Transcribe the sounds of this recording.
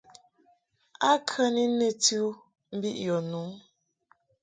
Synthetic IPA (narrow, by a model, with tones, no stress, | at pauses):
a˦kʰə˦ni˦ne˦tʉ˦ | m̩˦bi˦ʔjɔ˨nu˨˦